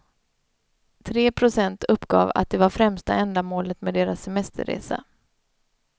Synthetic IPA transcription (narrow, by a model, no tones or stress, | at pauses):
t̪ʰɾeːpʰɾʊsɛnt̪ʰɵpːɡɑ̰ːva̰t̪̚d̪ɛvaɾfɾɛmst̪aɛnd̪amoːlət̪meːd̪eːɾasːɛmɛst̪ʰə̰ɾḛːsa̰